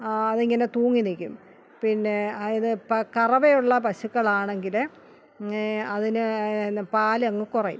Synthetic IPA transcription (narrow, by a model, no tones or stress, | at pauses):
ɐðiŋːɐne̞t̪uːŋːinikʲːum | pinːe̞iðɨpɐkɐrɐʋejuɭːɐpɐɕukːɐɭaːɳeŋɡil | ɐðinɨpaːliɐŋːɨkurɐjṵm